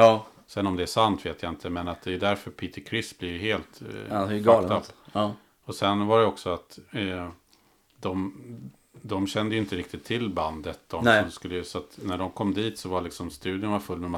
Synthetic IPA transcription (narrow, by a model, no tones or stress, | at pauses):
sɛnɔmd̪ɛæʂant̪veːt̪ʰjaɪnt̪ʰəmɛnat̪̚d̪ɛjɵd̪æɾfœɾpʰiːt̪əɾkʰɾɪsːblɪɾjɦeːlt̪ɡaapː | ɔsɛnvaɾɛɔksɔat̪ | d̪ɔm | d̪ɔmɕɛnd̪əjʏɪnt̪əɾɪk̚t̪ɪt̪ʰːɪlːband̪ət̪ːɔmɔmskɵlːəjsɔat̪næɖɔmkʰɔmːd̪iːt̪sɔvaɭɪksɔmst̪ʉ̟ːd̪ɪʊnvaɾfɵlːmɛma